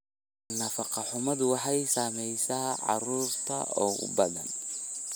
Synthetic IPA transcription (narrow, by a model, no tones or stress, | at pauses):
nɐfɑqɑħʊmɐd̪wɑħɑjsaːmɛjsaːʕɑ̰ɾuːrt̪ʰɐ̰ɔ̰ːɣʊ̰bɐðɐ̰n